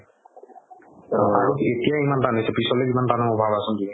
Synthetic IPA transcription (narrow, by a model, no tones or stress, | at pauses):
aoet̪ijaimant̪anesepisɔlebimant̪anɔmɔbʱabasɔnd̪ii